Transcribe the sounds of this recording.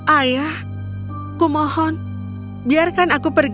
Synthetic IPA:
ʔajah | kumɔhɔn | biarkanakupərɡ

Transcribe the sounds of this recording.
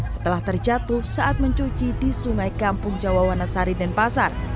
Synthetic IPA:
sət̪əlaht̪ərd͡ʒat̪ʊhsaʔat̪̚məɲt͡ʃut͡ʃidisuŋajkampʊŋd͡ʒawawanasaɾidanpasar

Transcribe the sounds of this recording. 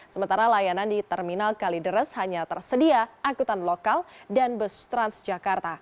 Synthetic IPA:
səmənt̪aɾalajanandit̪ɛrminalkalidəɾəshaɲat̪ərsədiaʔːkut̪anlokaldanbəst̪ɾansd͡ʒakart̪a

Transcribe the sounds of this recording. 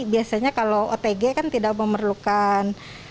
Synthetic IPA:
biasaɲakaloot̪eɡekant̪idak̚məmərlukan

